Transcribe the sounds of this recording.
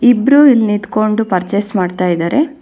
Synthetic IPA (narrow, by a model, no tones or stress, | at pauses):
ibɾuilnit̪ko̞ɳɖupɐɾt͡ʃesmaːɖt̪aːjid̪aːɾe̞